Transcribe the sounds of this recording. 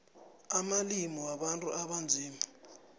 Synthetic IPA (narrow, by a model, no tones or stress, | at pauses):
amalimɔwaɓantʼṵʔaɓand͡zʱiːma